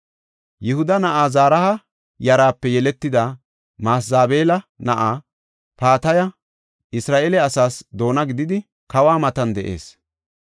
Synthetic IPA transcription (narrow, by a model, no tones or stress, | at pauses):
jɪhʊd̪ɐnɐʔaːzaːɾɐhɐ | jɐɾaːpːɛjɛlɛt̪ːɪd̪ɐ | maːsaːbeːlɐnɐʔaː | paːt̪ɐjɐ | ɪsɾaːʔeːlɛɐsaːsd̪o̞ːnɐɡɪd̪ɪd̪ɪ | kɐwaːmɐt̪ɐnd̪ɛʔe̞̰ːs